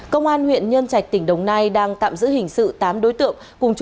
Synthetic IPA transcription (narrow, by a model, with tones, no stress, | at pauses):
kə˧wŋ͡mʔaː˧nhwḭ˧˨ənɲə˧nt͡ɕa˨˩k̚t̪ï˧˩ŋ̟ɗə˨˩wŋ͡mna˧jɗaː˧ŋt̪a̰ː˧˨mzɨ̰˧˥hï˨˩ŋ̟sɨ̰˧˨t̪aː˨˦mɗo˨˦jt̪ɨ̰˧˨ə | kʊ˨˩ŋ͡mt͡ɕ